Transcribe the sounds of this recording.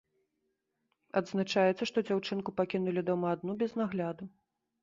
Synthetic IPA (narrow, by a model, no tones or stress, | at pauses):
ɐd̪znat͡ʂajɛt̪sɐʂt̪ɔd͡zʲawt͡ʂɨnkupakʲinulʲid̪ɔmɐːd̪nubʲɛznaɣlʲad̪u